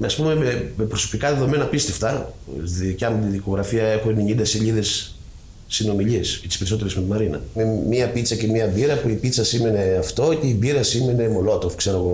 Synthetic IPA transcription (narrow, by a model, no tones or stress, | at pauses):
meɐspume̞memepɾo̞so̞̥pikɐðe̞ðo̞me̞nɐpist̪eft̪ɐðicɐmot̪iðiko̞ɣɾɐfiɐe̞xuneɲind̪ɐse̞ʎiðe̞sː | ino̞miʎieset̪ispeɾiso̞t̪eɾezmet̪imɐɾinɐ̰memiɐpit͡sɐce̞miɐbiɾɐpuipit͡sɐsime̞ne̞ɐft̪o̞ce̞ibiɾɐsime̞ne̞mo̞lo̞t̪ofkse̞ɾo̞ɣo̞